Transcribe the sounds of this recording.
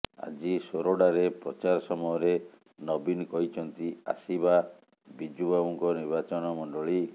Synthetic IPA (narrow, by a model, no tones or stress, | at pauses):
a̰d͡ʒisoɾoɽaɾepɾɔt͡ʃaɾɔsɔmɔjɔɾe | nɔbinkɔɦit͡ʃʰɔnt̪ia̰siba | bid͡ʒubabuŋkɔniɾbat͡ʃɔnɔmɔɳɖɔɭi